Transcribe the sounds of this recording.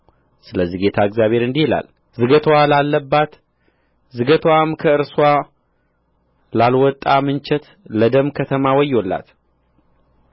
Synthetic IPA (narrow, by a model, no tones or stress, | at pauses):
sɨləziɡe̞t̪ʰaɨɡzjaβʱhe̞ɾɨnd̪ihila̰l | zɨɡət̪ʰwalalːəbːat̪ | zɨɡət̪ʰwamkʰəɨɾswa | lalwɔt̪ʼːamɨnt͡ʃʰɛt̪ | ləd̪əmkʰət̪ʰəmawɔjːolːa̰t̪